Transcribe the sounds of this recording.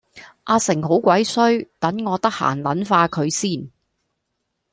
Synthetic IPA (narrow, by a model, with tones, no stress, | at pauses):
ʔaː˧sɪ˨˩ŋɦo˨˥wkʷɐ˨˥jsɵ˥ɥt̪ɐ˨˥nŋɔː˨˧t̪ɐ˥k̚ha̰ː˨˩nlɐ˨˥nfaː˧kʰɵ˨˧ɥsiː˥˩n